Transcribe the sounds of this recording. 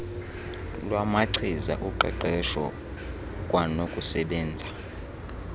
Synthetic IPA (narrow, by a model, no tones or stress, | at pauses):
lwamaǀʰiza̰ʔuǃʱɛ̰ǃɛʃɔ̰ | kʼwanokʼusɛɓɛːnd͡zʱa